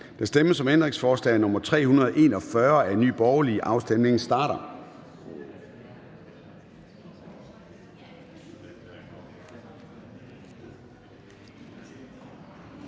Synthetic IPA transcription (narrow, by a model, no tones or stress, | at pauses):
d̥æsd̥eməsɒ̽mend̥ʁeŋsfɒːslɛ̰ɪnɔ̽mɐt͡sʰʁɛ̰ːhunɐðˠʔe̝ːnɒ̽fɶɐæny̰ːb̥ɒʊɐliʔɑ̈ʊsd̥emne̝ŋsd̥ɑ̈ːɾ̥ɐ